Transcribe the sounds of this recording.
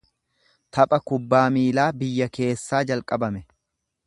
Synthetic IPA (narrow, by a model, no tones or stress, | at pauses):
t̪ʰɐpʼɐkʊbːaːmiːlaːbɪjːɐke̞ːsːaːd͡ʒɐlkʼɐbɐmɛ